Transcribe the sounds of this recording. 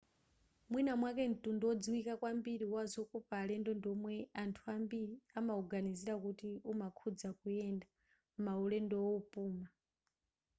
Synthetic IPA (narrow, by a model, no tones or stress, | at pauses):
mwinamwakɛn̩tundɔɔd͡ziwikakwambiɾiwazɔkupaːlɛndɔndɔmwɛantʰuambiɾiamauɡaniziɾakutiumakʰud͡zakujɛnda | maulɛndɔwɔupʼuːma